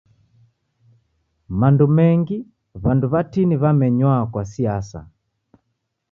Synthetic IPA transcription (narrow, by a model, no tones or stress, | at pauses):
mandumɛŋɡi | βanduβatiniβamɛɲwakwasiasa̰